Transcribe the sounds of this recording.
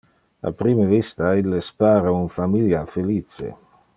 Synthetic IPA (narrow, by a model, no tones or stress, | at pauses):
a̰pɾiːmevist̪ailːespaːɾaunfamiljafeliːt͡sḛ